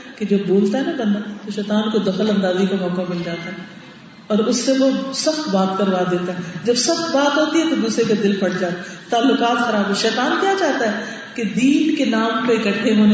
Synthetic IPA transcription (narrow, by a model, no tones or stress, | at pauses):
ked͡ʒoːboːlt̪aɦɛnabɐ̃nd̪at̪oʃɛːt̪aːnkod̪ɐxəlɐ̃nd̪aːzikamɔːkamɪld͡ʒaːt̪aɦɛ | ɔːɾʊsːeʋosɐxt̪baːt̪kɐɾʋaːd̪eːt̪aɦɛd͡ʒɐbsɐxt̪baːt̪ɦoːt̪iɦɛt̪od̪uːsɾek̬ad̪ɪlpɐɽd͡ʒaːt̪at̪aːlːʊkaːt̪xɐɾaːbɦɛʃɛːt̪aːnkjat͡ʃaːt̪aɦɛ | ked̪iːnkenaːmpeɪkəʈʰːeɦoːn